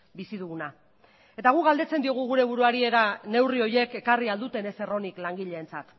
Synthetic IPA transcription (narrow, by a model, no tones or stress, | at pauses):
bisiðuɣuna | e̞t̪aɣ̞uɣald̪e̞t͡sed̪io̞ɣ̞uɣ̞uɾe̞β̞uɾuaɾie̞ɾane̞wrio̞je̞ke̞kariald̪ut̪e̞ne̞se̞ro̞niklaŋɡiʎe̞ːnt͡sat̪